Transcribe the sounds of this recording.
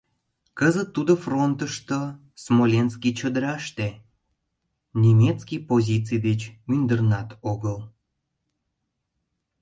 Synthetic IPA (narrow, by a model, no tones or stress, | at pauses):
kəzət̪ːud̪ofront̪əʃt̪o | smolʲenskit͡ɕəd̪əɾɑʃt̪e | nʲemʲet͡skijpozʲit͡sɨjd̪et͡ɕmynd̪ərnɑt̪oɣəl